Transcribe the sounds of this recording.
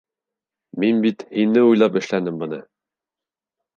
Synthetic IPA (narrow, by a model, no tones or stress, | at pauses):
minbit̪hinːɘujlˠɑpɘ̆ʃlænɘmbɤ̆nɤ